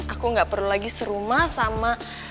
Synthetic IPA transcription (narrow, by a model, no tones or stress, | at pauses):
akuŋɡaʔpərlulaɡisəɾumahsama